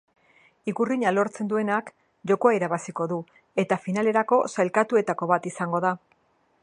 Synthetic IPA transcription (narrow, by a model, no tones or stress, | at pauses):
ikuriɲalo̞ɾt͡se̞nd̪ue̞nak | ʝo̞ko̞aiɾaβasiko̞ðu | e̞t̪afinale̞ɾako̞sajlkat̪ue̞t̪ako̞βat̪isaŋɡo̞ða